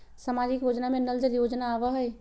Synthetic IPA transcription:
samad͡ʒikjod͡ʒnamenəld͡ʒəljod͡ʒnaːbəɦəj

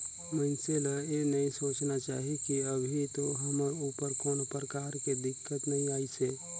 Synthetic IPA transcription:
mənseləenəĩsoːt͡ʃnat͡ʃaːɦikiəbʱit̪oɦəməɾupəɾkoːnpəɾəkaːɾked̪ɪkːət̪nəɦĩaːise

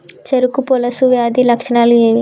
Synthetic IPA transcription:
t͡ʃeɾukupɔlɐsuʋjaːd̪ilɐkʂɐɳaːlueːʋi

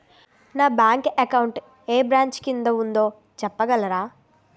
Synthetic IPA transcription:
naːbjaːŋkɐkɐwɳʈ | eːbɾaːɲt͡ʃkind̪ɐund̪o̞ː | t͡ʃɛpːɐɡɐlɐɾaː

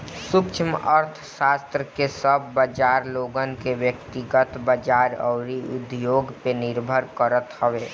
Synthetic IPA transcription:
sʊkt͡ʃʰiməɾt̪ʰsast̪ɾəkesəbːəd͡ʒaɾloɡənkebjəkt̪iɡət̪bəd͡ʒaɾə̰ʊɾiud̪joɡpenɪɾbʱəɾkəɾət̪ɦəʋe

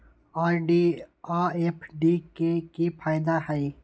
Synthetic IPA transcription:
aːɾɖiaːepʰɖikekipʰaːjd̪ahɛi

